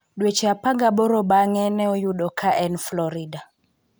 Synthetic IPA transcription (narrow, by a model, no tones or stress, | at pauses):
ɗwet͡ʃɛapaŋɡaɓɔɾɔbaŋɛnɛɔjuɗɔkʰaʔɛnflɔɾida